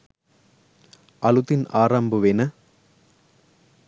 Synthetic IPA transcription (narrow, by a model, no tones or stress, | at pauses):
ʔɐlut̪ːɪnaːɾaːmbɯʋeːnɐ